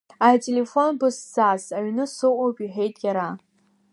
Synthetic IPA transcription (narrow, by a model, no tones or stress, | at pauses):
atʼelefo̞nbɨsz̥azaɥnɨsɨwʷʼopʼiħe̞jtʼjʲaɾa